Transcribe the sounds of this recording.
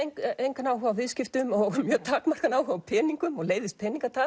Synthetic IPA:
ŋejŋkanaːwɦœɣavɪðscɪft̪ʏmɔɣmjœːt̪ʰaːkmar̥kanaːwhœvapʰɛːniŋkʏmɔɣleːjvðɪst̚pʰɛːniŋkat̪a

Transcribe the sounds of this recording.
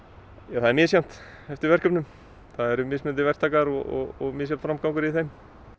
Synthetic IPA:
jaθaðɛɾmɪːðsjam̥t̪ | ɛft̪ɪɾvɛr̥kœpnʏm | θaðɛɾʏmɪːsmɛnt̪ɪvɛr̥t̪ʰaːkaɾɔɔ̰ɣɔɣmɪːs̬jamt̪fɾamkawŋkʏɾiθejm

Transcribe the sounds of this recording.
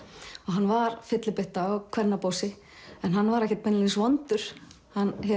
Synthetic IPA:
ɔɣɦanːvaɾ̥fɪt̪lɪpɪht̪aːwkʰvɛɾnapowsɪ | ɛnɦanːvaɾɛhcɛt̪̚mɛnɪlisvɔnt̪ʏɾ̥ | hanːçɛ

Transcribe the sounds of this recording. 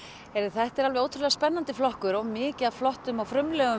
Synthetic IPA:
ɛɾθɛht̪ɛɾalvɛoːwt̪ʰɾʏlɛɣaspɛnːant̪ɪflɔhkʏɾɔɣmɪːcɪaflɔht̪ʏmawfɾʏmlɛːɣʏ

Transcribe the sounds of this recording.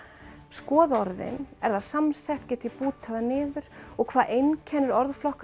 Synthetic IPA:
skɔːðɔɾðɪ̰nɛɾðaðsamsɛht̪cɛt̪ɪpuːt̪ʰaðanɪːðʏɾ̥ɔɣkʰvaːðejncʰɛːnʏɾɔɾðflɔhk

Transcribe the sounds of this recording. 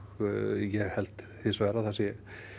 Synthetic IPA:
jɛɣhɛlt̪ | hɪsvɛɾaθasjɛ

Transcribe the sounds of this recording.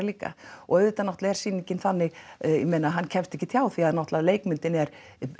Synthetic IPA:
liːka̰ʔɔʏːt̪anɔht̪laɛɾ̥siːniɲcɪnθanːɪjɛmejnaɦanːcʰɛmft̪ɛhcːɪt̪ʰjaːwθiaðnɔht̪laðleːjkmʏnt̪ɪnɛɾ̥

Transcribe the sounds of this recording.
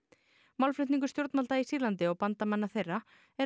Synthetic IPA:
mawlflʏht̪niŋkʏ̥st̪jowɾt̪malt̪aisiːɾlant̪ɪɔɣpant̪amanːaθejrːa | ɛ

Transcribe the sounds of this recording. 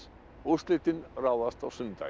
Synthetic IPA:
ust̪lɪt̪ɪnrawast̪awsʏnt̪a̰

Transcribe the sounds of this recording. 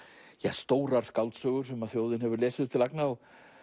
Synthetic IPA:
jast̪oːwɾaɾ̥skawlt̪sœɣʏɾ̥sɛmaðθjoːwðɪnɦɛvʏɾlɛːsɪðʏp̚t̪ɪlaknaːw

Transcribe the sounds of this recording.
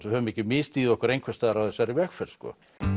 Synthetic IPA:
sɛhœvmɛcɪmɪst̪iːðɪɔhkʏɾejŋkvɛst̪aːðɾawðɛsaɾivɛxfɛɾskɔ̰

